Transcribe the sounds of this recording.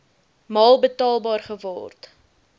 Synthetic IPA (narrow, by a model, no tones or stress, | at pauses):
mɑːlˠbətɑːlˠbɑːrχəvɑ̰ːrt